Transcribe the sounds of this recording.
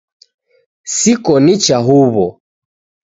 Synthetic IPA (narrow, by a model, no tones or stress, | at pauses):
sikɔnit͡ʃaɦuβɔ